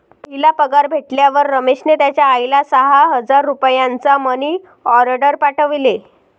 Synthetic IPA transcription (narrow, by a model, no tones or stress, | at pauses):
pəɦilapəɡaɾbʱeʈljaʋəɾːəmeɕnet̪jat͡ɕjaːjlasəɦaɦəd͡zaɾːupjãnt͡saməni | ɔɾɖəɾpaʈəʋle